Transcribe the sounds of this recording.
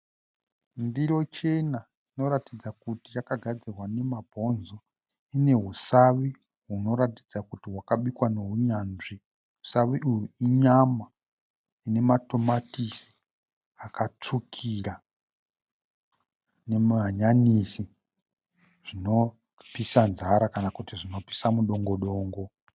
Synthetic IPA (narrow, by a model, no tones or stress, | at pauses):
ndiɾo̞t͡ʃe̞na | ino̞ɾatid͡zakutijakaɡʱad͡zirwane̞mabʱo̞nzo̞ | ine̞ɦusaʋi | ɦuno̞ɾatid͡zakutiwakaɓikwano̞ɦuɲanʐi | ɦusaʋiʔujuiɲama | ine̞mato̞matisi̥ | akat͡ʂukʰira | ne̞maɲanisi | ʐ̥ino̞ | pisanzaɾakanakutiʐino̞pi̥samuɗo̞ŋɡo̞ɗo̞ːŋɡo̞